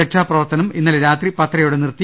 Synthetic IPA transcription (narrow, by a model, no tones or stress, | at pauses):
eʈʂaːprɐʋɐrt̪ɐnɐminːɐlɾaːt̪ripɐt̪rɐjuɽenirt̪ːi